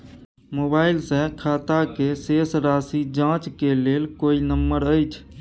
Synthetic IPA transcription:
mobailsẽkʰat̪akesesɾasid͡ʒãt͡ʃkelelkoinəmːəɾəjt͡ʃʰ

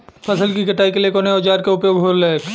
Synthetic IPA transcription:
pʰəsəlkikɐʈaːikeliekoːneoːd͡ʒaːɾkeʊpjoʊɡʱɦoɾleːk

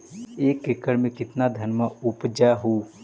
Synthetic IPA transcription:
eːkːɪkːəɽmẽkɪt̪nad̪ʱənmaʊpd͡ʒaɦuː

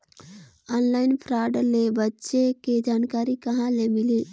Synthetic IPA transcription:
ɔːnlaːɪnpʰɾaːɖlebətːʃeked͡ʒaːnkaːɾikəɦãlemɪliː

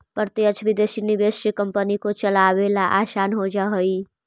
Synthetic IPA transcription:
pəɾt̪iət͡ʃʰʋɪd̪eːʃiniʋeːʃəkəmpənikot͡ʃəlaʋelaʔaːʃaːnɦod͡ʒaɦoi

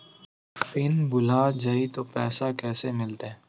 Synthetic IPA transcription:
pɪnbʊlaːd͡ʒait̪oːpɛːsakɛːsemɪlt̪eɛ̃ː

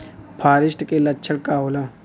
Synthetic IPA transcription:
pʰaːɾɪʃʈkelɐːt͡ʃʰəɽkaːolaː

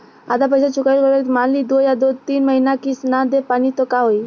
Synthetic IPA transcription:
ad̪ap̬əjsat͡ʃukailkəɾet̪manlid̪ojad̪ot̪iːnməɦinakisnaɾd̪epanit̪ɔkaɦoi

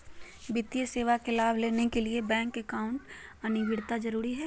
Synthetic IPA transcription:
bɪt̪ijəseːʋakelaːbʱleːnekeliebɛ̃ːŋkekaːʊ̃ɳʈɐnɪbɪɽt̪ad͡ʒɐɾuːɾiɦɛː

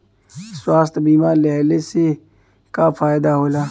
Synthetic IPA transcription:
swaːst̪biːmaːɾlɛːlese | kafaːjd̪aːɦoːlaː

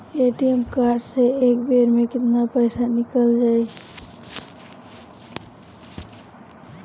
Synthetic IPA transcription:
eːʈijemkaːɾɖseeːkbeːɾmẽkɪt̪napəɪsanɪkəld͡ʒaːe

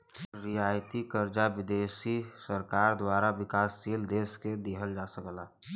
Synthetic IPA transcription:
ɾijaːjt̪ikəɾd͡ʒabɪd̪eːsisəɾkaːɾd̪waːɾabɪkaːsːiːld̪eːsked̪eɦəld͡ʒasəkla

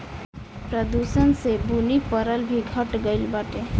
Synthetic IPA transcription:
pɾəd̪usənsebunipəɾəlbʱiɡʱəʈɡəɪlbaʈe

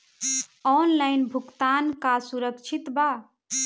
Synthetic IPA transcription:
ɔnlajnbʱukt̪ankasuɾəkt͡ʃʰit̪ba

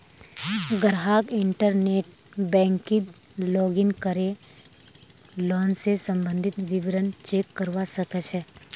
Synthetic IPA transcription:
ɡəɾɦaːkɪɳʈəɾneːʈ | bɛ̃ːŋkɪt̪ | lɔːɡɪnkəɾe | lɔːnsesə̃mbə̃nd̪ʱɪt̪ʋɪʋɾənt͡ʃeːkːəɾʋasəkət͡ʃʰɛː

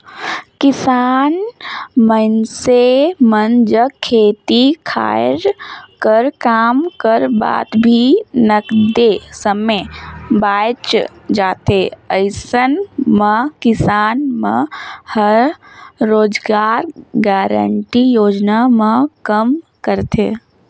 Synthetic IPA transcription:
kɪsaːnmənsemɐnd͡ʒəkʰːeːt̪ikʰa̰ːɾkəɾkaːmkəɾba̰ːt̪bʱinəkd̪esəmebaːjt͡ʃd͡ʒaːt̪ʰeəɪsənmə̃kɪsaːnmə̰̃həɾː | oːd͡ʒɡaːɾɡaːɾə̰ɳʈijoːd͡ʒnamãkəmkəɾt̪ʰeː

